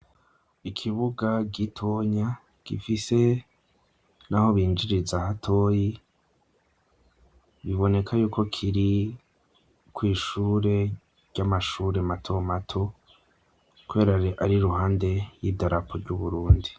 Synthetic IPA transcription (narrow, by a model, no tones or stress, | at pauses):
ikʰiβuɡaɡitʰoɲa | ɡ̥ḭfise̞ | naho̞βiːnd͡ʒiɾizahatʰoji | βiβo̞ne̞kʰajuːkʰo̞kʰiɾi | kwiːʃuːɾe̞ | ɟ̥amaʃuːɾematʰo̞matʰo̞ | kuβe̞ːɾaɾiʔaɾiɾuhaːnde̞jidaɾapʰoɾɟuβuɾuːndi